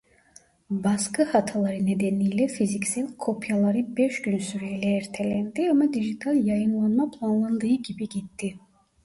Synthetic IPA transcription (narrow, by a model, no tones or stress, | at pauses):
baskʰɯhat̪ʰalˠaɾɯned̪ɛnijlʲɛfizicsilʲkʰo̞pʰjalˠaɾɯbɛʃɟynsyɾejlɛːɾt̪ʰelʲænd̪iamad̪iʒit̪ʰalʲjajɯnlˠanmapʰlˠanlˠand̪ɯːɯɟibiɟit̪ʰːi